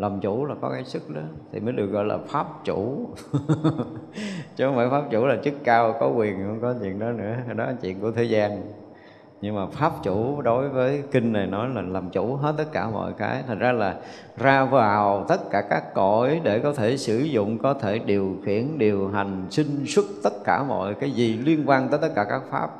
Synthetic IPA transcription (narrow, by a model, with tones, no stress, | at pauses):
lə˨˩mt͡ɕu˧˩laː˨˩kɔ˨˦kaː˨˦jsɨ˦˥k̚ɗə˨˦t̪ʰḭ˨˩məː˨˦jɗɨ˨˩ək̚ɣɔ̰˧˨jla̰ː˨˩faː˦˥p̚t͡ɕṵ˧˩˥ | t͡ɕɔ˨˧˦maː˧˩jfaː˦˥p̚t͡ɕu˧˩laː˨˩t͡ɕɨ˦˥kːaː˧wkɔ˨˦kwi˨˩ənxə˧wŋ͡mkɔ˨˦t͡ɕḭ˧˨ənɗɔ˨˦nɨ̰˧˥ə˨˩ɗɔ˨˦aː˨˩t͡ɕwḭ˧˨ənku˧˩ət̪ʰe˨˦jzaː˧n | ɲɨ˧ŋmaː˨˩faː˦˥p̚t͡ɕu˧˩ɗo˨˦jvəː˨˦jki˧ŋ̟na˨˩jnɔ˨˦jlaː˨˩laː˨˩mt͡ɕu˧˩ɦe˦˥t̚t̪ə˦˥t̚kaː˧˩mɔ̰˧˨jka̰ː˨˦jt̪ʰa˨˩jŋ̟zaː˧laː˨˩ | zaː˧vaː˨˩wt̪ə˦˥t̚kaː˧˩kaː˦˥kːo˧˩jɗe˧˩kɔ˨˦t̪ʰe˧˩sɨ˧˩zʊ̰˧˨ŋ͡mkɔ˨˦t̪ʰe˧˩ɗi˨˩əwxi˧˩ənɗi˨˩əwɦa˨˩jŋ̟sï˧ŋ̟swə˦˥t̚t̪ə˦˥t̚kaː˧˩mɔ̰˧˨jkaː˨˦jzi˨˩li˧ənkwaː˧nt̪əː˨˦jt̪ə˦˥t̚kaː˧˩kaː˦˥k̚fa̰ː˦˥p̚